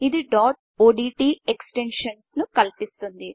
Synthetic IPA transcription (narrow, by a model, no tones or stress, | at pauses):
id̪iɖaːʈ | oːɖiːʈiːeksʈe̞nʂɐnsnukɐlpist̪und̪i